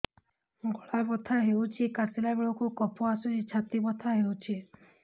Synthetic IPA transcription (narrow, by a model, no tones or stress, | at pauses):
ɡʱɔɭabɔt̪ʰaɦewt͡ʃʰikaɾsilabeɭɔkukɔpʰɔasud͡ʒit͡ʃʰat̪ibɔt̪ʰaɦewt͡ʃʰi